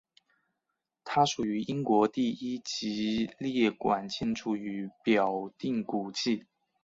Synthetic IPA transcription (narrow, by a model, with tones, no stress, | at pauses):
t̪ʰa˥ʂu˨˩y˧˥ʔi˥ŋkwɔ˧˥t̪i˥˩i˥t͡ɕi˧˥ljɛ˥˩kwa˨˩nt͡ɕi˥˩nʈ͡ʂʰu˥˩y˧˥pjɑ˨˩ʊt̪i˥˩ŋku˨˩t͡ɕi˥˩